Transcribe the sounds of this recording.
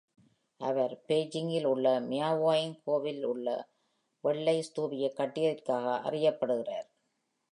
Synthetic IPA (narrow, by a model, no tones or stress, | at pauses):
ʔɐʋɐɾpeːd͡ʒɪŋɡɪlʊɭːɐmɪjaːʋaːjɪŋkʰoːʋɪlʊɭːɐ̰ | ʋɛɭːɐɪst̪uːbɪjɐkːɐʈːɪjɐðɪrkaːɣɐʔɐ̰rɪjɐpːɐɽɯɣɪraːɾ